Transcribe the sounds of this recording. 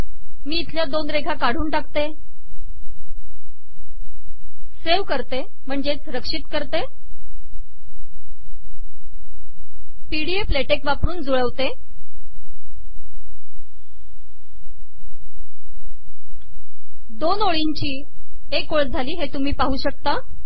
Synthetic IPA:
miːt̪ʰljad̪onɾeɡʱakaɽ̤uːnʈakt̪e | seʋkəɾt̪e | m̤əɳd͡ʑet͡sɾəkʂit̪kəɾt̪e | piɽiefleʈekʋapɾuːnd͡zuɭəʋt̪e | d̪onoɭiɲt͡ɕiː | ekoɭd͡zʱaliːɦet̪um̤iːpaɦuːɕək̚t̪a

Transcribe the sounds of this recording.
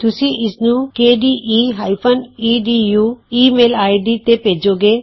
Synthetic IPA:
t̪usiʔisnukeɖiʔiɦajpʰɐniɖijuimelajɖit̪eped͡ʒoɡe

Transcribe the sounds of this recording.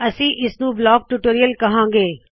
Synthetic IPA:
ɐsĩːʔɪsnũblɔːk̚ʈuʈoːɾijəlkɐɦãːŋɡeː

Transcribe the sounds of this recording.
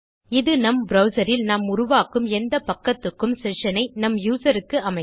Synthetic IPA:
ɪðɯnɐmbɾɐʊsɐɾɪlnaːmʊɾʊʋaːkɯmɛnd̪ɐpɐkːɐt̪ːɯkːɯmsɛʂɐnɐɪnɐmjuːsɐɾɯkːɯʔɐmɐɪ

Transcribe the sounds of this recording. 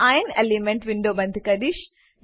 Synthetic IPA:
ajnelimeɳʈʋiɳɖoːbɐnd̪ikɐd̪iʃ

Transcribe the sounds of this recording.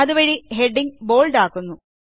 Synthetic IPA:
ɐðuʋɐɻiɦeɖːiŋbo̞ːɭɖaːkːunːu

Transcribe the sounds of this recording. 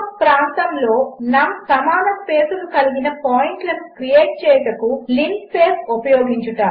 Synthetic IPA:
pɾaːnt̪ɐmlo̞ːnaːsɐmaːnɐspe̞ːsunukɐliɡinɐpaːjiɳʈlɐnukɾijeːʈ̚t͡ʃɛːjɐʈ̪ɐkuliŋkpeːsupɐjo̞ːɡiɲt͡ʃuʈaː

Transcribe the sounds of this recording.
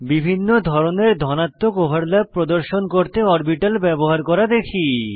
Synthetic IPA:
bibʱinːod̪ʱɔɾoneɾd̪ʱɔnat̪ːokobʱaɾlab̚pɾod̪oɾʃonkoɾt̪eɔɾbiʈalbɛboɦaɾkɔɾad̪ekʰi

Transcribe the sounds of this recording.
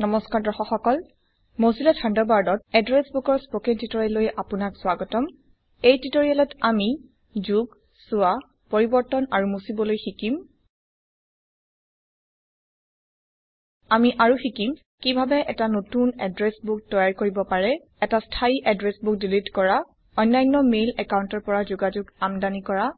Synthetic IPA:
nɔmɔskaɹdɔxɔxɔkɔl | mozilɔtʰãndɔbaɹdɔt̚ɛdɹɛsbukɔɹspokentitɔɹilojʔapunaksʊwaɡɔtɔm | ejtitoɹialɔtami | zuɡ | sʊa | pɔɹibɔɹtɔnaɹumusibɔlojxikim | amiʔaɹuxikim | kibʱabɛʔɛtanotunɛdɹɛsbuk̚tɔjaɹkoɹibɔpaɹɛ | ɛtastʰaiʔadɹesbuk̚dilitkɔɹa | ɔjnːajŋnɔmejlɛkawntɔɹpɔɹazoɡad͡ʒuɡamdanikɔɹa

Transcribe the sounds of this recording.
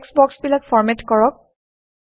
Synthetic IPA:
ksbɔksbilakfɔɹmɛtkɔɹɔk̚

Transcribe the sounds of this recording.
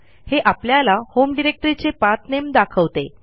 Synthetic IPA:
heʔapljalahomɖiɾek̚ʈəɾit͡sepat̪nemd̪akʰəʋt̪e

